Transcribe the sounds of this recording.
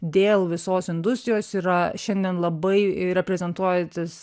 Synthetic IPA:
d̪ʲeːlˠʋʲɪsoːsɪnd̪ʊst̪ɾʲɪjoːsiːɾɐʃʲɛnʲd̪ʲiɛnlˠɐbɐɪɾʲɛpʲɾʲɛzʲɛnt̪uɔjt̪ʲɪs

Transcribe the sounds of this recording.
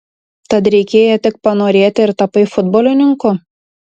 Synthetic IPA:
t̪ɐt̪ɾʲɛɪkʲeːjɛt̪ʲɪk̚pɐnoːɾʲeːt̪ʲɪɪɾt̪ɐpɐɪfʊd̪boːlʲɪnʲɪŋkʊ

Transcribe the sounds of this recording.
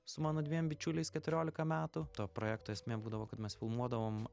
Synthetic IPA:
sʊmɑːnoːd̪ʲʋʲiɛmbʲɪt͡ʃʲʊlʲɛɪskʲɛt̪ʊɾʲoːlʲɪkɐmʲæːt̪ʊt̪oːpɾoːjæːk̚t̪oːɛsʲmʲeːbuːd̪ɐʋoːkɐt̪mʲɛsfʲɪlˠmuɔd̪ɐʋoːm

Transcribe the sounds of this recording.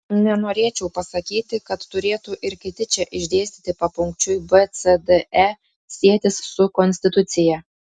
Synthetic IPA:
nʲɛnoːɾʲeːt͡ʃʲɛʊpɐsɐkʲiːt̪ʲɪkɐt̪ːʊɾʲeːt̪uʔɪɾkʲɪt̪ʲɪt͡ʃʲɛʔɪʒʲd̪ʲeːsʲt̪ʲiːt̪ʲɪpɐpʊŋkt͡ʃʲʊjbɛt̪sɛd̪ɛɛ | sʲiɛt̪ʲɪssʊkɔnʲsʲt̪ʲɪt̪ʊt̪sʲɪjɛ

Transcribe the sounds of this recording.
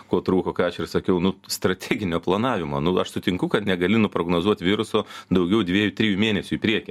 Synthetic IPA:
koːt̪ɾuːkoːkɑːɐʃɪrsɐkʲɛʊnʊst̪ɾɐt̪ʲɛːɡʲɪnʲoːplˠɐnɑːʋʲɪmoːnʊɐʃsʊt̪ʲɪŋkʊkɐt̪nʲɛɡɐlʲɪnʊpɾoːɡnoːzuɔt̪ʲʋʲɪɾʊsoːd̪ɐʊɡʲɛʊd̪ʲʋʲiːjʊt̪ʲɾʲijʊmʲeːnʲɛsʲʊɪpʲɾʲiɛkʲɛ

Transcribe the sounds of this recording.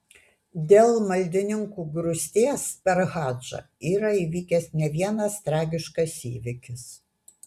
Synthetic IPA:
d̪ʲeːlˠmɐlʲd̪ʲɪnʲɪŋkuːɡɾʊsʲt̪ʲeːspʲɛɾɣɑːd͡ʒɐ̰ | iːɾɐiːʋʲiːkʲɛsnʲɛʋʲiɛnɐst̪ɾɑːɡʲɪʃkɐsḭːʋʲɪkʲɪs

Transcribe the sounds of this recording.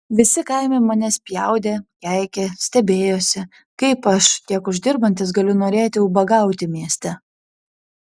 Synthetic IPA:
ʋʲɪsʲɪkɐɪmʲeɪmɐnʲɛsʲpʲjɛʊd̪ʲeːkʲæɪkʲeːsʲt̪ʲɛbʲeːjoːsʲɪ | kɐɪpɐʃkʲiɛkʊʒʲd̪ʲɪɾbɐnʲt̪ʲɪs̬ɡɐlʲʊnoːɾʲeːt̪ʲɪʊbɐɡɐˑʊt̪ʲɪmʲiɛsʲt̪ʲɛ

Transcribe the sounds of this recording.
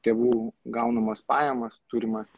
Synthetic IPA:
t̪ʲeːʋuːɡɐʊnɐmɐspɑːjɛmɐst̪uːɾʲɪmɐs

